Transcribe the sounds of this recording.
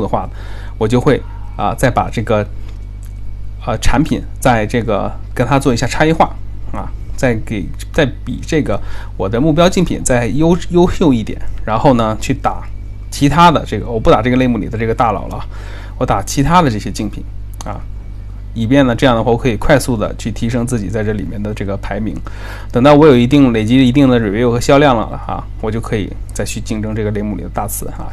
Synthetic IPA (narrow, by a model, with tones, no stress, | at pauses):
u˥˩d̪ə˩xwa˥˩nə˩ | wɔ˨˩t͡ɕjo˥˧ʊxwe˥˩ɪ | ə̰˧t͡sa˥˩ɪpa̰˨˩ʈ͡ʂɤ˥˩ɡə˩ | ə˧ʈ͡ʂʰa˧˥npʰḭ˨˩nt͡sa˥˧ɪʈ͡ʂɤ˥˩ɡə̰˩ | kə˥nt̪ʰa˥t͡swɔ˥˩i˥ɕja˥˩ʈ͡ʂʰa˥ji˥xwa˥˩ | ɐ̰˧˩t͡sa˥˩ɪke˨˩ɪ | t͡sa˥˩ɪpḭ˨˩˦ʈ͡ʂɤ˥˩ɡə˩wɔ˨˩d̪ə˦mu˥˩p̬jɑ˥ʊt͡ɕi˥˩ŋpʰḭ˨˩˦nt͡sa˥˩ɪjo˥ʊjo˥ʊɕjo˥˧ʊi˥˩t̪jɛ̰˨˦nɻa˧˥nxo˥˩ʊnə˩t͡ɕʰy˥˩t̪a˨˩˦ | t͡ɕʰi˧˥t̪ʰa˥d̪ə̰˨ʈ͡ʂɤ˥˩ɡə˩wɔ˨˩pu˥˩a˨˩ʈ͡ʂɤ˥˩ɡə˩le˥˧ɪmu˥˩li˨˩d̪ə˦ʈ͡ʂɤ˥˩ɡə˩t̪a˥˩lɑ̰˨˩ʊlə̰˦˥˩ | wɔ˧˥t̪a˨˩t͡ɕʰi˧˥t̪ʰa˥d̪ə˨˧ʈ͡ʂɤ˥˩ɕjɛ˥t͡ɕi˥˩ŋpʰḭ˨˩˦ŋ | ɐ̰˧ | i˨˩pjɛ˥˩nə˩ʈ͡ʂɤ˥˧jɑ˥˩ŋd̪ə˩wwkʰɤ˧˥i˨˩kʰwa˥˧ɪsu˥˩d̪ə̰˩t͡ɕʰy˥˩t̪ʰi˧˥ʂ̬ɤ˥ŋt͡sɹ̩˥˩t͡ɕi˨˩t͡sa˥˧ɪʈ͡ʂɤ˥˩lḭ˨˩mjɛ˥˩nd̪ə˩ʈ͡ʂɤ˥˩ɡə˩pʰa˧˥ɪmḭ˧˥ŋ | t̪ɤ˨˩ŋt̪ɑ˥˩ʊwɔ˧˥jo˨˩ʊi˧˥t̪̬i˥˩ŋle˨˩ɪt͡ɕi˧˥i˧˥t̪i˥˩ŋd̪ə˩ɻe˨˩ɛ˧˥jo˥˩xə˥ɕjɑ˥ʊljɑ˥˩ŋlə̰˩ɐ̰˧ | wɔ˨˩t͡ɕjo˥˩ʊkʰɤ˧˥ḭ˨˩ | t͡sa˥˧ɪt͡ɕʰy˥˧t͡ɕi˥˩˧ŋʈ͡ʂɤ˥ŋʈ͡ʂɤ˥˩ɡə˩le˥˧ɪmu˥˩lḭ˨˩d̪ə˦t̪a̰˥˩t͡sʰɹ̩˧˥ɐ̰˧